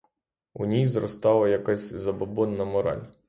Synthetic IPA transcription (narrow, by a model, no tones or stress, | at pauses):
ṵnʲijzrɔst̪ɑlˠɐjɐkasʲzɐbɐbɔnːɐmɔɾɑ̰lʲ